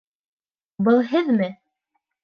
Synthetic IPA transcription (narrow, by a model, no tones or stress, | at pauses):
bɤlˠɦɘðmɘ